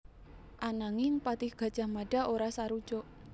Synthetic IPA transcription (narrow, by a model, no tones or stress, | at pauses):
ʔanaŋɪŋpat̪ɪhɡ̥ä̤d̥d͡ʒ̥a̤maɖ̥a̤oɾasaɾu̥ʒ̥ɔʔ